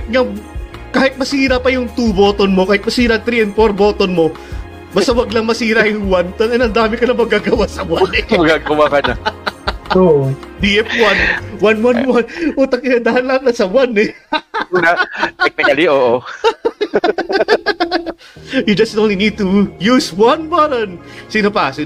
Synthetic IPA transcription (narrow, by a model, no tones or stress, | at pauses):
ŋɐkaːhɪt̪̚mɐsiːɾɐpɐjʊŋt̪uboːt̪onmo̞kaːhɪt̪̚mɐsiːɾɐɐt̪ɾiːɛn̚poɾbo̞ːt̪onmo̞ | baːst̪ɐwɐɡlɐŋmɐsiːɾɐjʊŋwant̪ɐnɛnɐnd̪aːmɪkɐnɐmɐɡaːɡɐwasɐwanɛmɐɡaːɡɐwakɐnɐ | oʔd̪iʔɛfwanwanwanwanʔuːt̪ɐŋkɪnɐd̪aːhɐlːaknɐsɐwanɛunɐɛk̚pɛɐliʔoːʔo | jɪd͡ʒɐstt̪oŋɪniːd̚t̪ujuswanbaɾɐnsinɐpaːsɪ